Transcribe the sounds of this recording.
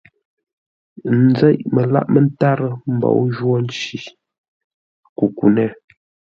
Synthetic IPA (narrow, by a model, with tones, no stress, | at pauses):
n̩˨˦d͡zɛ˦ʔmə˨la̰˦˨ʔmə˨˦n˦ta˦ɾə˦m̩˨bɔ̰˨wʒwɔ˦n̩˦t͡ʃi˨ | ku˨ku˨nɛ˦˨